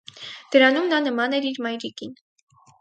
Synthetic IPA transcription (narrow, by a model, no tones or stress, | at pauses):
d̪̥əɾɑnumnɑnəmɑnɛɾiɾmɑjɾikin